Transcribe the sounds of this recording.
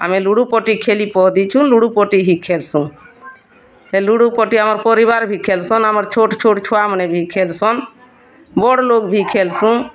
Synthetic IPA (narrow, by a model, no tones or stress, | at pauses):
a̰mɛluɽupɔʈikʰelipɔɦd̪it͡ʃʰunluɽupɔʈiɦikʰelsũ | ɛluɽupɔʈiamɔɾpɔɾiβaɾbʱikʰelsɔnamɔɾt͡ʃʰoʈt͡ʃʰoʈt͡ʃʰɔamənɛbʱikʰɛlsɔn | bɔɽlokbʱikʰelsũ